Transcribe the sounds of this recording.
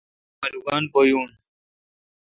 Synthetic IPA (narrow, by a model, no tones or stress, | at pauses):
mɐluɡaːnpojuːn